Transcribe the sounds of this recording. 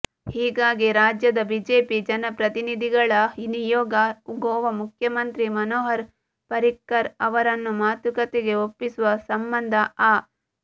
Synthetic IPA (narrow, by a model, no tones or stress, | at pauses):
hiːɡaːɡiɾaːd͡ʒjɐd̪ɐbiːd͡ʒeːpid͡ʒɐnɐpɾɐt̪inid̪ʱiɡɐɭɐinijɔːɡɐuɡɔːʋɐmukʰjɐmɐnt̪ɾimɐnoːɦɐɾ | pɐɾikːɐɾɐʋɐɾɐnːumaːt̪ukɐt̪eɡe̞opːisuʋɐsɐmbɐnd̪ʱɐaː